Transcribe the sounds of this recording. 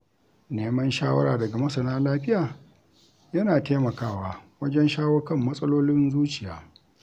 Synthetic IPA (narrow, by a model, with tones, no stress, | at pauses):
neː˦mɐ˦nʃaː˦wɐ˦ɾaː˨dɐ˨ɡa˨mɐ˦sɐ˨naː˦laː˦ɸɪ˦jaː˨ | jɐ˦naː˨teː˦mɐ˨kaː˦˨waː˦wɐ˦d͡ʒɛ˦nʃaː˦woː˦kɐ˦mːɐ˦sʼɐ˦loː˦lɪ˦ɪ˦nzuː˦t͡ʃɪ˨ja̰ː˦